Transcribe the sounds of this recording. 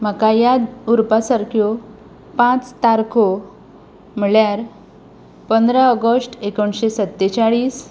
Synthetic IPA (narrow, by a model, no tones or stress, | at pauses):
m̤əkajad̪uɾpasaɾkʰjɔ | pãt͡st̪aɾkʰo | m̤əɭjaɾ | pənd̪ɾaəɡəsʈekoɳɕesət̪ːet͡saɭiːs